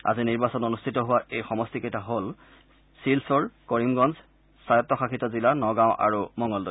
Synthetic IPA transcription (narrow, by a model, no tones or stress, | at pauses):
a̰ziniɹbasɔnonustʰitɔɦʊwaʔejxɔmɔstikejtaɦol | silsɔɹkoɹimɡɔnz | sajɔtːɔxaxʰitɔzilanɔɡãʊ̃ʔa̰ɹumɔŋɡɔldɔ